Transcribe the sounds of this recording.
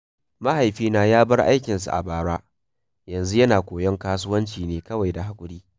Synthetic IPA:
ma˦ha˨jɸiː˦naː˦jaː˦bɐ˦rʔa̰˦jkʲɪ˨ns̬ṵ˨ʔa̰˨baː˦ɽaː˦ | jɐ˨nzu˦jɐ˦naː˨kʷoː˨jɐ˦ŋkaː˦sʊ˦wɐ˦nt͡ʃiː˨neː˨kɐ˦wa˨jda˨ɦa˦kʷʼʊ˦ɽiː˦

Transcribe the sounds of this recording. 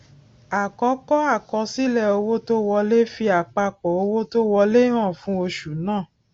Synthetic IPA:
a˨kɔ˨˦kɔ˦a˦˨kɔ˧˦si˦lɛ˦˨o˧wo˦to˦wɔ˧le˦fi˧a˨k͡pa˧k͡pɔ˨o˧wo˦to˦wɔ˧le˦ɾ̃ã˦˨fũ˨˦o˧ʃu˨nãː˦˨

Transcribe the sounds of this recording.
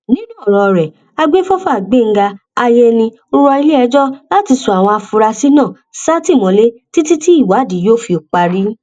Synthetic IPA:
nĩ˦nũ˦˨ɾ̃ɔ̃˨ɾɛ˨ | a˧ɡ͡be˦fɔ˦fɔ˦a˨ɡ͡be˦˨ŋ̩˦ɡa˧ | a˧jɛ˧nĩ˧ | u˦ɾɔ˧i˧le˦ɛ˧˦d͡ʒɔ˦la˦ti˨˧su˨a˨w̃ɔ̃˧a˧fu˧ɾa˧si˦nã˦˨ | sa˦ti˦˨mɔ̃˨˦le˦ti˦ti˦ti˦i˦˨wa˨˦˨di˨˦jo˦fi˧o˨k͡pa˧ɾi˦

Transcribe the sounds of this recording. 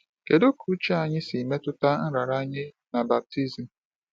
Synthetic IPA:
ke˨do˦ku˦t͡ʃa˦a˨ɲɪ˦si˨me˦tʊ˦ta˦n̩˦ɾa˨ɾa˦ɲɪ˦ | na˨ba˨p̚ti˦zi˨

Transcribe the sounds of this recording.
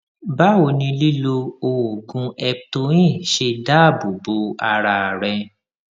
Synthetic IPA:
ba˦wo˧nĩ˧li˦lo˧o˧o˨ɡũ˨˧ɛ˧to˧˦ĩ˦˨ʃe˧da˦˨bu˨bo˨˦a˧ɾa˧˨ɾɛ˧

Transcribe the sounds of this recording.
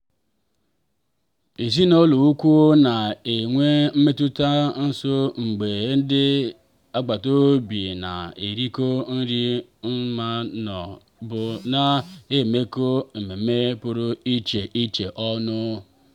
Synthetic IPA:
i˨zi˦no˦lu˨u˦kʷu˦o˦na˨e˨ŋʷe˦m̩˦me˦tu˦ta˦n̩˦so˦ŋ͡m̩˨ɡ͡be˨˦n̩˦dɪ˦ | a˦ɡ͡ba˨to˦bi˨na̰˨i˨ɾi˦ko˦n̩˦ɾi˦m̩˦ma˦nɔ̰˨ | bʊ˦na˦e˦˨me˦ko˦m̩˨me˨me˦pʊ˦ɾʊ˦i˦t͡ʃe˨ʔi˦t͡ʃe˨ʔɔ˦nʊ˦

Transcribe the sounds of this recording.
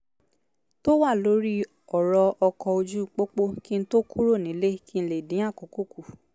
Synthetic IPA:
to˦wa˦˨lo˨˦ɾi˦ | ɔ˨ɾɔ˧ɔ˧kɔ˧o˧d͡ʒu˦k͡po˦k͡po˦ki˦n̩˦to˦kʰu˦ɾo˦˨nĩ˨˦le˦ki˦n̩˦˧le˨dĩ˨˦a˦˨ko˨˦ko˦˨ku˨

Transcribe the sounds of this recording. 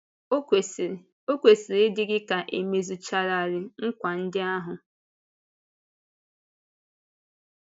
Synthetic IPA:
e˨ | o˦kʷe˨si˨ɾɪ˦dɪ˦ɡɪ˦ka˨ʔe˨me˨zu˨t͡ʃa˦ɾa˨ɾɪ˨ŋ̩˦kʷa˨n̩˦dɪ˦a˦ɦʊ˨

